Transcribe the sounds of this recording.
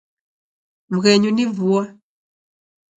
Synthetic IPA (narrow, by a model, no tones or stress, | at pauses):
m̩ɣɛɲunivua